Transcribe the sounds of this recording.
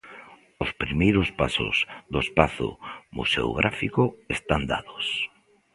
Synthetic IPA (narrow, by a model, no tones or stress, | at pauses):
ʊspɾimejɾʊspasʊ̰zðoespaθʊ̰mṵsḛo̰ɣɾʔafikʊest̪and̪aðos